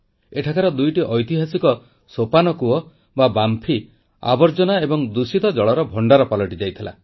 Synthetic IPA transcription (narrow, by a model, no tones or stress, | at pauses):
eʈʰakʰaɾɔd̪ujʈiʔɔjt̪iɦasikɔ | sopanɔkuɔ | babampʰi | a̰bɔɾd͡ʒɔnaebɔŋd̪usit̪ɔd͡ʒɔɭɔɾɔbʱɔɳɖaɾɔpalɔʈid͡ʒajt̪ʰila̰